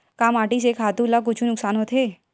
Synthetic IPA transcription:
kaːmaːʈis̬ekʰaːt̪ulak̬ʊt͡ʃʰunʊksaːnot̪ʰe

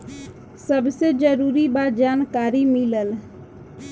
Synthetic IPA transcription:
səbsed͡ʒəɾuɾibat̪̚d͡ʒaːnkaːɾimiləl

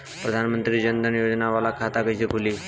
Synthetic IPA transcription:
pɾəd̪ʱanmənt̪ɾiːd͡ʑənd̪ʱənjod͡ʑnaʋalakʰat̪akəsikuliː

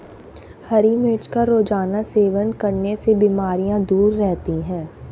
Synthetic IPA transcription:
hɐɾimet͡ʃkaɾoːd͡ʒaːnaseːʋənkɐɾnesebiːmaːɾijãd̪uːɾːɛɦt̪iɦɛ̃ː

